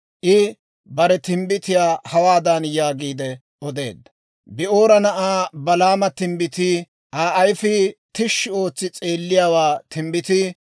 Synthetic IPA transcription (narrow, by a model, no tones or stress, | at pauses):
ʔɪ | bɐɾɛt̪ɪmbɪt̪ɪjaːhɐwaːd̪anjaːɡiːd̪ɛ | ɔd̪e̞̰ːd̪ːɐ̥ | bɪʔoːɾɐnɐʔaːbɐlaːmɐt̪ɪmbɪt̪ɪ | ʔaːʔɐjfɪt̪ɪʃːɪo̞ːt͡sːɪt͡sʼeːlːɪjaːwaːt̪ɪmbɪt̪ɪ